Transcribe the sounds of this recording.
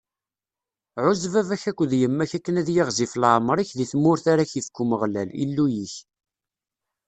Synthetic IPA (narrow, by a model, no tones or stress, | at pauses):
ʕʊzvævæçækʷːðjəmːæçækːənæðjɪʁziflʕmɾˤiçðiθmːʊɾθaɾaçifkːuməʁlæ̰lḭlːujiç